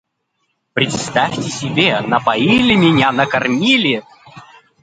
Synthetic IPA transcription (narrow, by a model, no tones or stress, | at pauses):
pɾʲɪt̪st̪afʲtʲɪsʲɪbʲenɐpɐilʲɪmʲɪnʲanəkɐrmʲilʲɪ